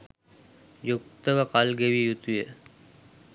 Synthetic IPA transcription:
jukt̪əʋakalɡeʋijut̪ujə

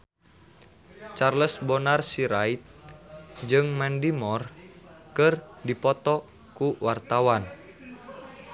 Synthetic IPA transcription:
t͡ʃarləsbɔnarsiɾait̪̚ | d͡ʒɨŋmɛndimɔrkɨrdipɔt̪ɔ | kuwart̪awan

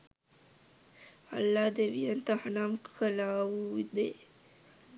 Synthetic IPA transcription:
a̰lːaːd̪eʋijənt̪əhanamkʰəlaːʋuid̪e

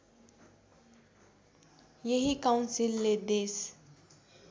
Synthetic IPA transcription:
jeɦikawnsilːed̪es

